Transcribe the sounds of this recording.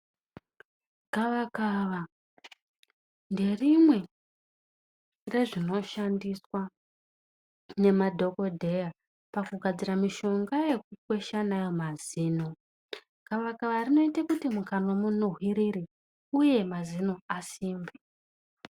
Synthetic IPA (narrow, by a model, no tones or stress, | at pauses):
ɡ̥aʋakaʋa | nde̞rimwe̞ | re̞ʐino̞ʃandiswa | ne̞madʱo̞ko̞dʱe̞ja | pakuɡʱad͡ziɾamiʃo̞ŋɡaje̞kukwe̞ʃanajo̞maziːno̞ | ɡ̥aʋakaʋarino̞itakutimukano̞munoɦwiɾiɾi | uje̞mazinoasiːmbi